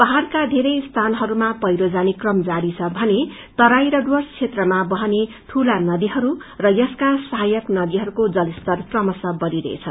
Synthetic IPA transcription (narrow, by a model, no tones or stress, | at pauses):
pʌɦarkad̪ʱeɾʌjst̪ʰanɦʌɾumapʌjɾod͡zanikrʌmd͡zaɾit͡sʰʌbʱʌne | t̪ʌɾajɾʌɖwʌst͡sʰet̪rʌmabʌɦʌne | t̪ʰulanʌd̪iɦʌɾurʌjʌskasʌɦajʌknʌd̪iɦʌɾukod͡zʌlist̪ʌrprʌmʌsʌbʌɾiɾʌ̰ḛt͡sʰʌ